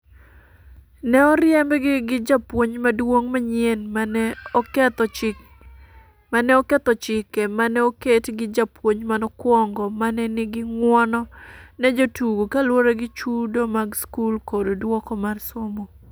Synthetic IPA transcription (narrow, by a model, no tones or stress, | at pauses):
nɛɔɾjɛmbɛɡɪɡɪd͡ʒapwoɲmadwoŋmaɲenmanɛɔkɛt̪ɔt͡ʃɪ | manɛɔkɛt̪ɔt͡ʃɪkɛmanɛoketɡɪd͡ʒapwoɲmanɔkwɔŋɡɔmanɛnɪɡɪŋwɔnɔnɛd͡ʒotuɡokalwoɾeɡɪt͡ʃudomaɡskulkododwɔkɔmarsomo